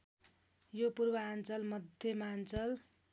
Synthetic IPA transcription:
jopurbʌant͡sʌlmʌd̪ʱjʌmant͡sʌl

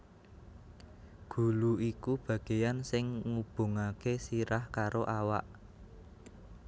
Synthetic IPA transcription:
ɡ̥ṳluikub̥ä̤ɡ̥e̤jansɪŋŋub̥o̤ŋakesiɾahkaɾoʔawa̰ʔ

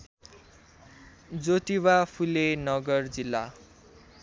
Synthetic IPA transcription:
d͡zot̪iwapʰulenʌɡʌrd͡zilːa̰

